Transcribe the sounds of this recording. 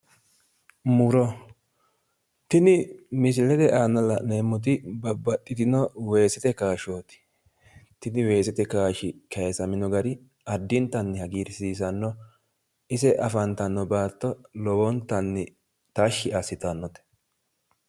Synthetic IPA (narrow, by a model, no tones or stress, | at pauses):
mʊɾɔ | t̪ɪnɪmɪs̬ɪlɛt̪ɛʔaːnɐlɐneːmːɔt̪̬ɪbɐbɐt̪ʼːɪt̪ɪnɔwe̞ːsɛt̪ɛkaːʃoːt̪ɪ̥ | t̪ɪnɪwe̞ːsɛt̪ɛkaːʃɪkɐjɛsɐmɪnɔɡɐɾɪ | ɐd̪ːɪnt̪ɐnːɪhɐɡiːɾsiːs̬ɐnːɔ | ɪsɛʔɐfɐnt̪ɐnːɔbaːt̪ːɔlɔwɔnt̪ːɐnːɪ | t̪aʃːɪasːɪt̪ɐnːɔt̪ɛ̥